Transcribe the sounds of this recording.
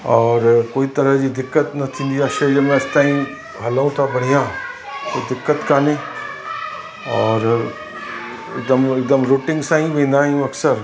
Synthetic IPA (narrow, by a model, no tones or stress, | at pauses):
ɔːɾkoːit̪ɐɾəɦd͡ʑid̪ɪkːət̪nɐt̪ʰĩːn̆d̪iɐʃed͡ʒəmẽɐst̪aːĩ | ɦɐlaũt̪ʰabɐɽ̤ija | t̪od̪ɪkːət̪kaːnẽ | ɔːɾ | ɪ̰k̚d̪əmɪk̚d̪əmɾoːʈɪ̃ŋɡsãːɦĩʋẽːn̆d̪aːjũɐksəɾ